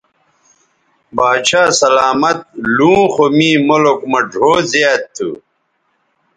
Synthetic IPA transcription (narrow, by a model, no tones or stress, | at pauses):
baːɕʰaːsɐlaːmɐt̪̚lũːxomĩːmolokmɐɖʱoːzijaːtt̪ʰːṵ